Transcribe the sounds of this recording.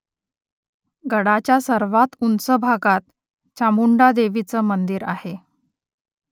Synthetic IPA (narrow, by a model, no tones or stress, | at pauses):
ɡəɽat͡ɕjasəɾʋat̪unsəbʱaɡat̪̚ | t͡ɕamuɳɖad̪eʋit͡səmənd̪iɾa̰he